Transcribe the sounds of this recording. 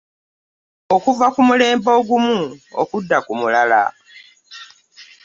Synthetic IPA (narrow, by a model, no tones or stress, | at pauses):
o̞kuvakumule̞ːmbo̞ːɡumuo̰kudːakumulala̰